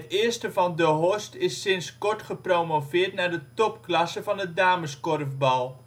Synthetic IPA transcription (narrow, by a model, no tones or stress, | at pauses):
tɪːɹstəvɑndəɦɔstɪsːɪnskɔɹtχəprowmovɪːɹtnaːɹdətɔpklɑsəvɑnədaːməskɔrfbɑlˠ